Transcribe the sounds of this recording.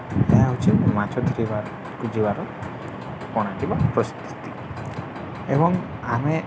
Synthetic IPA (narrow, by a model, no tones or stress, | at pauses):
t̪aaɦut͡ʃʰimat͡ʃʰɔd̪iɾibaɾ | kud͡ʒibaɾɔ | pɔɽ̃aʈibapɾɔst̪u̥t̪i̥ | ebɔŋ | ame